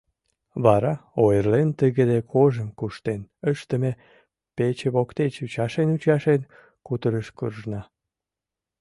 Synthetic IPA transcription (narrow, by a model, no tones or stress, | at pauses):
βɑɾɑojərlent̪əɣəd̪ekʰoʒəmkuʃt̪enəʃt̪əme | pet͡ɕeβokt̪et͡ɕut͡ɕɑʃenut͡ɕɑʃen | kut̪əɾəʃkurʒnɑ